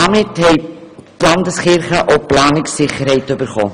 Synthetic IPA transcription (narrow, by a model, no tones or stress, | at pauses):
ɑmɪthɛɪtlɑndəsχɪɾχəʔoplɑːnɪksɪχəɾɦɛɪtøbəɾχo̰ː